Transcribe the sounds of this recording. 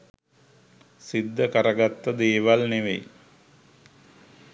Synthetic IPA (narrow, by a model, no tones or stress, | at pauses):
sid̪ːəkəɾəɡat̪ːəd̪eːʋalneʋḛj